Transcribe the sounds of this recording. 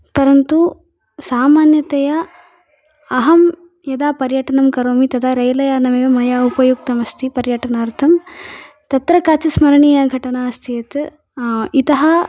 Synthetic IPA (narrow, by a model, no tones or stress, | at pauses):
t̪ɐɾɐnt̪u | saːmaːnjɐt̪ɐjɐ | ɐɦɐm | jɐd̪aːpɐɾjɐʈɐɳɐmkɐɾoːmit̪ɐt̪ʰaːɾɐjlɐjaːnɐmeːʋɐmɐjaːupɐjuk̚t̪ɐmɐst̪ʰipɐɾjɐʈɐnaːɾt̪ʰɐm | t̪ɐt̪ɾɐkaːt͡ʃɐsmɐɾɐɳijaːɡʱɐʈɐɳaːɐst̪ʰijɐt̪ | it̪ɐɦɐ